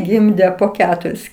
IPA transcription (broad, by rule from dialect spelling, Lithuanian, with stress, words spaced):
ˈɡʲɪmʲdʲeː poː ˈkʲæːtʊrʲɪs